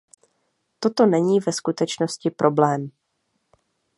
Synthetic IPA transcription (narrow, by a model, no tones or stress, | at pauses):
t̪o̞t̪o̞nɛɲiːvɛskut̪ɛt͡ʃno̞scɪpɾʔo̞blɛːm